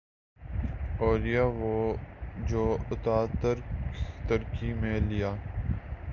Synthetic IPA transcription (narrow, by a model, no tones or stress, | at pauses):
oːlɪjaːʋoːd͡ʒoːʊt̪aːt̪əɾt̪əɾkimẽlɪjaː